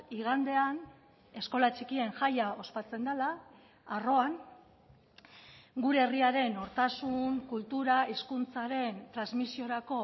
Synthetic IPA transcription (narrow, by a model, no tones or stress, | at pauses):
iɣand̪e̞an | e̞sko̞lat͡ʃikie̞ŋʝajao̞spat͡se̞nd̪alaː | ro̞aŋ | ɡuɾe̞eriaɾe̞no̞ɾt̪asuŋkult̪uɾaiskunt͡saɾe̞nt̪ɾanzmisio̞ɾako̞